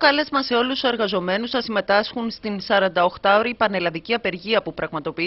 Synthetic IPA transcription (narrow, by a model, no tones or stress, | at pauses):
okɐle̞zmɐse̞o̞luse̞ɾɣɐzo̞me̞nusθɐsime̞t̪ɐsxunst̪insɐɾɐnd̪ɐo̞xt̪ɐoɾipɐne̞lɐðiciɐpe̞ɾʝiɐpupɾɐɣmɐt̪o̞pi